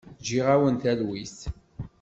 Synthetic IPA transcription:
d͡ʒiʁæwənt̪ælwis

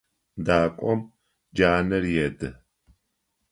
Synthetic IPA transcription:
daːkʷʼɔm | d͡ʒaːnɐɾjɛdɨ

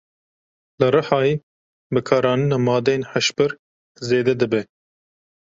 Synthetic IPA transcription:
lɨɾɨħɑːjeː | bɨkʰɑːɾɑːnɨnɑːmɑːd̪ejeːnħæʃpɨɾ | zeːd̪ɛd̪ɨbɛ

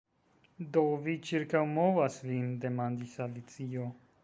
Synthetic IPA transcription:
d̪ovit͡ʃʰiɾkawmovasvind̪ɛmand̪isalit͡sijo

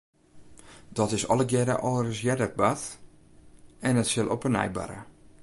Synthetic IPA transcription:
d̥ɔtɪsɔlˠəɡjɛdə̰ʔɔərɪsjɛdət̚bat | ɛnətsɪlˠʔopənɛ̰jba̰ɾə̰

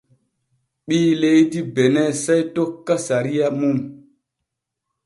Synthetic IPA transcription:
ɓiːlejtibenɛsajtokːasaɾijamum

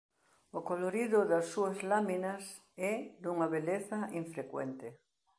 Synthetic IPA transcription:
okoloɾiðʊðɐsːuɐzlaminas | ɛd̪uŋɐβeleθaʔiɱfɾekwḛnt̪e

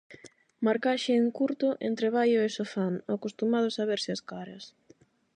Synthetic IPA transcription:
maɾkaʃɪːŋkuɾt̪ʊʔent̪ɾeβajʊesofanakost̪umað̞ʊsaβeɾsɪɐskaɾɐs

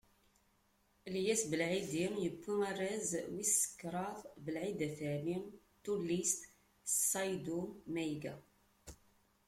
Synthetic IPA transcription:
ljæsbəlʕid̪imjəkːimærːæzwisə̥kːɾˤɑðˤbəlʕid̪æθæmim | t̪ulːist̪ | sɑjd̪umæjɡæ

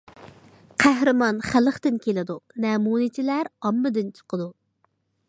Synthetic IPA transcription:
qʰæhɾɨmɑnχæləχt̪ɪnkʲʰelɪd̪unɛmunit͡ʃ̪ʰɪlæɾɑmːɨd̪ɪnt͡ʃʰə̥qʰəd̪u

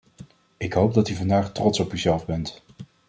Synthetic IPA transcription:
ɪkɦowp̚dɑtyvɑndaːχtrɔtsɔpyzɛlˠvbɛnt

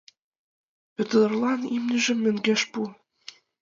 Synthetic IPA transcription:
pø̆t̪ɤ̆d̪ɤ̆rlɑnimnʲyʒɘ̆mːɘ̆ŋɡeʃpu

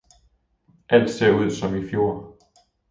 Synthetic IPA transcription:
ʔæl̰d̥se̝ɐ̰uð̞̰ˠsɒ̽mifjo̝ɐ̰

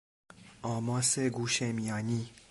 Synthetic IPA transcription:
ɒːmɔːseɡuːʃemijɑːni

